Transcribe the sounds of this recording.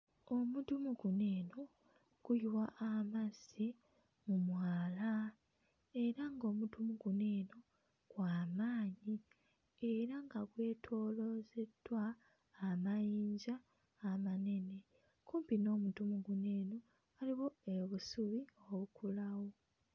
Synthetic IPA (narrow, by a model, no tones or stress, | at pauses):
omudumuɡune̞ːno | ɡ̥ujuwaʔamazi | mumwaːla | e̞ɾaŋɡo̞ːmudumuɡune̞ːno̞ | ɡ̥waːmaːɲi | eɾaŋɡaɡwe̞ːtʰo̞ːlo̞ze̞dwaː | majiːɲzaː | mane̞ne̞ | kuːmpino̞ːmudumuɡune̞ːno | aliβo̞e̞βusuβioβukʰulawo